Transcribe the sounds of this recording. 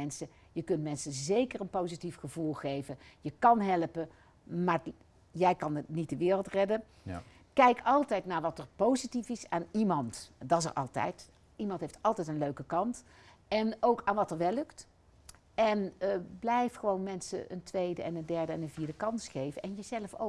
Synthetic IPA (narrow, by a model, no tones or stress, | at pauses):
ɛnsə | jəkɵntmɛnsəzejkərənpowzitifχəvulˠχejvəjəkɑnɦɛlpə | maːɹ | jɛjkɑnnit̚dəʋɪːrəlˠtrɛdən | kɛjkɑlˠtɛjtnaːɹʋɑtəɹpowzitifɪsaːnimɑntdɑə̰rʔɑ̰lˠtɛ̰jt | imɑntɦeftɑlˠtɛjtənløɥkəkɑnt | ɛnowkaːnʋɑtəɹʋɛlɵkt | ɛnblɛjfχəʋownmɛnsə̰ʔə̰ntʋejdəɛnəndɛɹdəɛnənviːɹdəkɑnsχejvənʔɛnjəzɛləfo̰